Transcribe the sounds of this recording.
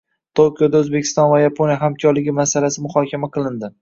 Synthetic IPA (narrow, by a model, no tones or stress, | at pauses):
t̪ʰokʰʲijod̪aɵzbekʲʰɪ̥st̪ɒnvajapʰonjaɦamkʲʰɒɾlɪɡʲɪmasalasɪmʊhɒkʲʰamaqʰɨlˠɪnd̪ɪ